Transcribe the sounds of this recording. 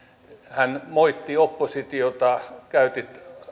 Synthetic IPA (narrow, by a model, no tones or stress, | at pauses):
hænmoit̪ːiopːosit̪iot̪ɑkæyt̪it̪